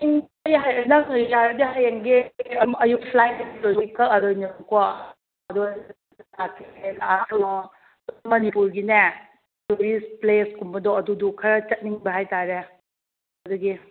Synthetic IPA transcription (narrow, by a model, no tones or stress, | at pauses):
iŋ | ɐjɦajɐnɐjaɾɐdiɦajaŋɡeɐjupʰlajilojjkɐɐdɔjnika | ɐdu | nakenaɾu | mɐnipuɾɡine | toɾispleskumbɐdɔɐdudukʰɐɾɐt͡ʃɐt̚niŋbɐɦajtaɾe | ɐduɡi